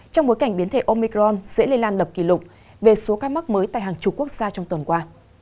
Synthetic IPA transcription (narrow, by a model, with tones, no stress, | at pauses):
t͡ɕɔ˧wŋ͡mɓo˨˦jka˧˩ŋɓi˨˦ənt̪ʰe˧˩ʔo˧mi˧kɾɔ˧nsɛ̰˧˥le˧nlaː˧nlə˨˩p̚kḭ˧˩lʊ˨˩k͡p̚ | ve˨˩so˨˦kaː˧ma˦˥k̚məː˨˦jt̪a̰ː˧˨jɦaː˨˩ŋt͡ɕʊ˨˩k͡p̚ku˦˥ək̚z̥aː˧t͡ɕɔ˧wŋ͡mt̪ə˨˩nkwaː˧